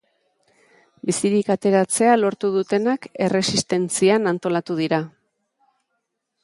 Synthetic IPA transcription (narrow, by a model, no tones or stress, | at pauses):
bisiɾikat̪e̞ɾat͡se̞alo̞ɾt̪uð̞ut̪e̞nake̞re̞sist̪e̞nt͡sianant̪o̞lat̪uð̞iɾa